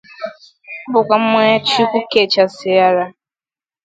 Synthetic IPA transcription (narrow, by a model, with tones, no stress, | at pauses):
bʊ˨kʷa˨m̩˦mʷe˦a˦t͡ʃi˦kʷʊ˦ke˨t͡ʃa˨sɪ˨ja˦ɾa˦